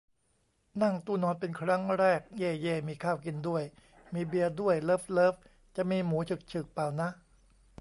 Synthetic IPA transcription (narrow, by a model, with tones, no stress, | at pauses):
na˥˩ŋt̪uː˧˥˩nɔː˧npe˧nkʰɾa˦˥ŋɾɛː˥˩k̚jeː˧˩jeː˧˩miː˧kʰaː˥˩wki˧ndu˥˩əj | miː˧bi˧əɐdu˥˩əjlɤː˦˥p̚lɤː˦˥p̚ | t͡ɕa˨˩ʔmiː˧muː˩˦t̪ʰɯ˨˩k̚t͡ɕʰɯ˨˩k̚paː˨˩wna˦˥ʔ